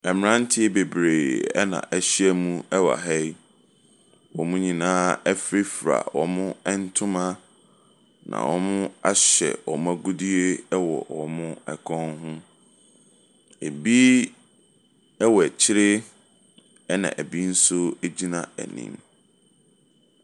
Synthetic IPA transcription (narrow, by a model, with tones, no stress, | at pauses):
ɛ˨m˨ɾã˦n̩˦tʰɪ˦e˦be˨bɾeː˨ɛ̰˦nã̰˨ʔɛ˦ɕɪ˦ɛ˦mũ˦ɛ˦wa̰˨ɦɛ˦j | wɔ˨mʊ̃˦ɲĩ˨nãː˦ɛ˦fɾi˦fɾa̰˨wɔ˨mʊ̃˦ɛ˦n̩˦tʰʊ̃˦mã˦ | nã̰˨wʔɔ˦mʊ̃˦a˦ɕɛ̰˨wɔ˨mʊ̃˦æ˦ɡʊ˦di˦e˦wɔ̰˨wɔ˨mʊ̃˦ɛ˨kʰɔ̃˦nɦʊ̃˦ | e˨bi˦ | ɛ˦wɔ˨ɛ˨t͡ɕʰɪ˦ɾɪ˦ | ɛ˦nã̰˨ʔæ˨bi˦n̩˦sʊ˦e˦d͡ʑi˦nã˨æ̰˨nḭ̃˨m